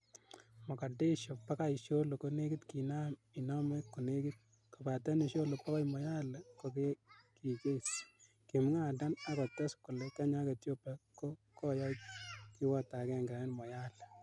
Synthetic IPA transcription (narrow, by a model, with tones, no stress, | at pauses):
mɔ˨ka˨de˦ʃo˨pːa˦ka˦i˨ʃo˦lo˨ko˦ne˦ki˦tki˨na˦mi˨nɔ˦me˦kːu˨ne˦ki˦t̚ | ko˨pa˨ta˦ni˨ʃo˦lo˨pɔ˦kɔ˦jmɔ˨ja˦lko˨ke˦ki˨ke˦s | ki˨m˦ŋa˦˨da˦na˦kɔ˨tɛ˦skʊ˨le˨ka˦ɲa˦ke˨tjo˦pɛ˦ko˦kɔ˦ja˦ki˦wɔ˦ta˨kɛ˦˨ŋɡɪɾa˨nɪ˦nmɔ˨ja˦l